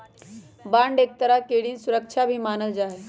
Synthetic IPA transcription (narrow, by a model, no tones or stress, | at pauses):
bãɳɖek̚t̪əɾakeɽiːnsuɾəkt͡ʃʰabʱiːmanəld͡ʒaɦe